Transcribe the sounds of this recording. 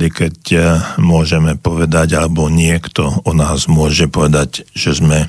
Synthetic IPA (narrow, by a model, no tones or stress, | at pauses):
d̪ikɛcmʊɔʒɛmɛpɔʋɛd̪aɟalɛbɔɲɪɛkt̪ɔɔnaːzmʊɔʒɛpɔʋɛd̪aɟʒɛzmɛ